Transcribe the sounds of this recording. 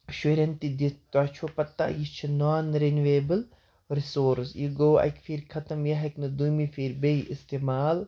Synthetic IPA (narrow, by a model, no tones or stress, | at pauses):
ʃeɾʲɐnt̪id̪it̪at͡ʃʰoːpɐt̪ːa̰jit͡ʃʰinɔːnɾenʋeːbəl | ɾisoːɾsjiɡoːɐ̰jkfiɾkʰɐt̪ɐmjɐɦɐknɐd̪ujmifiːɾbeiʔist̪eːmaːl